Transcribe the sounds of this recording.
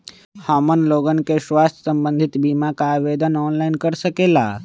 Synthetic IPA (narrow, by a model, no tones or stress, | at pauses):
haːmənloːɡənkeʃʋaːst̪ʰə̥sə̃mbə̃nd̪ʱɪt̪biːmakaʋeːd̪ənɔːnlaɪnkəɾsəkeːlaː